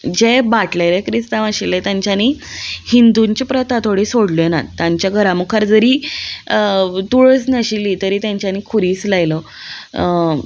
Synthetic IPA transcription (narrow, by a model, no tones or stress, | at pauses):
d͡ʑebaʈlalekɾist̪aʋaɕilet̪jãɲt͡ɕjanihind̪uɲt͡ɕipɾət̪at̪ʰoɽisoɽlena̰t̪ːjaɲt͡ɕjaɡʱəɾaməɡ̚kʰaɾd͡zəɾiː | t̪uɭət͡snəɕilit̪əɾiːt̪jãɲt͡ɕjaniːkʰuɾiːt͡slajlə